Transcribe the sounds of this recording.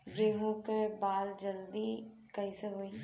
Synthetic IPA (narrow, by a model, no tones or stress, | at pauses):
ɡeːɦõkebaːld͡ʒɐld̪i | kɐiseɦoːi